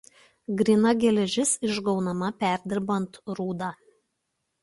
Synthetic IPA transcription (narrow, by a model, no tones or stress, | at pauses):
ɡɾʲɪnɐɡʲɛlʲɛʒʲɪsɪʒɡɒʊnɐmɐpʲæˑɾʲd̪ʲɪɾbɐnt̪ɾuːd̪ɑ